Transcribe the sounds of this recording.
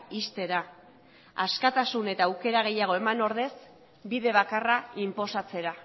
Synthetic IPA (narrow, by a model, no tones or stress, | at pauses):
ist̪e̞ɾa | askat̪asune̞t̪aːwke̞ɾaɣ̞e̞jaɣ̞o̞e̞mano̞ɾðe̞s | biðe̞β̞akaraimpo̞sat͡se̞ɾa